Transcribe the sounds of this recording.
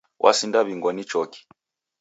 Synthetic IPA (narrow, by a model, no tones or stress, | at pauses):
wʔa̰sindaβiŋɡɔnit͡ʃɔki̥